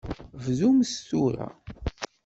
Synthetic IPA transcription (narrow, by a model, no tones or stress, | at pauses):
vzumst̪uɾa̰